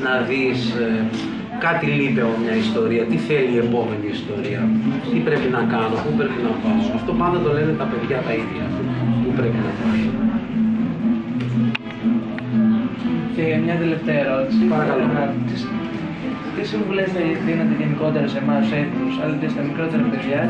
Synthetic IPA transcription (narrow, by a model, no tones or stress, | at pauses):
nɐðis | kɐt̪ilipeɐpomɲɐist̪o̞ɾiɐt̪iθe̞lie̞po̞me̞niːst̪o̞ɾiɐt̪ipɾe̞pinɐkɐnopupɾe̞pinɐkɐisɐft̪o̞pɐnd̪ɐt̪o̞lenet̪ɐpe̞ðʝɐt̪ɐiðʝɐ̰ft̪ipupɾe̞pinɐt̪ovio | emɲɐðeleft̪eɐeɾo̞t̪i̥sipɐɾɐkɐlokɐt̪i | t̪esimvulezt̪eðinet̪eʝeniko̞t̪eɾɐsemɐsetusɐlɐt̪est̪ɐmikɾo̞t̪eɾɐpe̞ðʝɐ